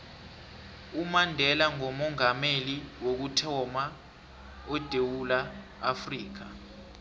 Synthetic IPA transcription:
umandʱɛlaŋɔmɔŋameliwok̬utʰɔma | ɔd̥ʱewulaː | friːk̬a

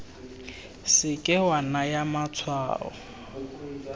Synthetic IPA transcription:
sɪkʼɪwanajamat͡sʰwa̰ːɔ̰

